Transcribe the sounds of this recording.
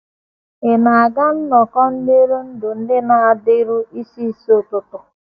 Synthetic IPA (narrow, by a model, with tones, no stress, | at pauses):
e˨na˨a˨ɡa˦n̩˦nɔ˨kɔ˦n̩˦de˦ɾu˦n̩˦dʊ˨n̩˦dɪ˦na˨a˨dɪ˦ɾu˦i˦si˦so˦˨tʊ˨tʊ˨